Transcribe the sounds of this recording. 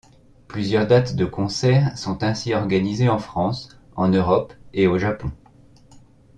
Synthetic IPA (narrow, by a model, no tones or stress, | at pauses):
plyzjœʁd̪at̪d̪əkɔ̃sɛʁsɔ̃t̪ɛ̃siɔʁɡanizeɑ̃fχɑ̃s | ɑ̃nøʁɔpeoʒapɔ̃